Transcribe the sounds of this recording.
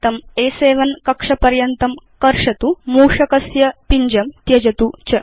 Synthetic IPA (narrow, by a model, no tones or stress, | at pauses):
t̪ɐmeːseːʋɐnkɐkʂɐpɐɾjɐnt̪ɐmkɐɾʂɐt̪umuːʂɐkɐsjɐpiɲd͡ʒɐmt̪jɐd͡ʒɐt̪ut͡ʃɐ